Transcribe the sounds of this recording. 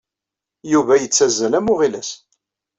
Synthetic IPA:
juvæjət͡sːæzːælæmʊʁilæs

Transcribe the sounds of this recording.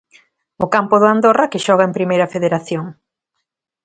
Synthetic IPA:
ʊkampʊðʊand̪orɐkɪʃɔɣ̞ɐempɾimejɾɐfeðeɾaθjoŋ

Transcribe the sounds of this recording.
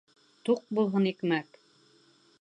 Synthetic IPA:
t̪uq̚bulˠɦɤnikmæk

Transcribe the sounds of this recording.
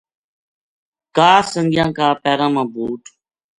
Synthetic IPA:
kaːsəŋɡjãːkaːpɛːɾãːmãːbʱuːʈ

